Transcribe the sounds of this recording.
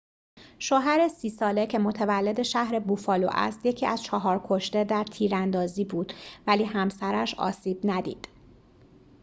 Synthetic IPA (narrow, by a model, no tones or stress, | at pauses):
ʃoːɦæɾe̞siːsɒːle̞cʰe̞mo̞t̪ʰevælːe̞d̪e̞ʃæhɾe̞bufɒːlo̰ʔæ̰st̪je̞cʰiːʔæz̥t͡ʃʰɒɦɒːɾkʰo̞ʃt̪e̞d̪æɾt̪ʰiːɾænd̪ɒːziːbuːd̪̥væliːɦæmsæɾæʃɒ̰ːsiːbnæd̪ḭːd̪̥